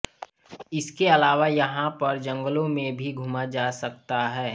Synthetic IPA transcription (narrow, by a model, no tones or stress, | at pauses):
ɪskeɐlaːʋajɐɦãpɐɾd͡ʒɐ̃ŋɡəlõmẽbʱiɡʱʊmad͡ʒaːsɐk̚t̪aɦɛː